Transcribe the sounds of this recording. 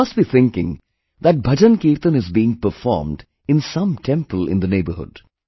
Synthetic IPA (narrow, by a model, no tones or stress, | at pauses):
ʌstbiθɪ̃ŋkɪ̰̃ŋ | ðæʈ̚bʱʌd͡ʒə̃nkiːɾt̪ə̃nɪzbiːɪ̃ŋpəfɔ̰ːɾmɖ | ɪ̃nsʌ̃mʈʰɛ̃mpəlɪ̰̃nd̪əneːbəhʊ̰d̥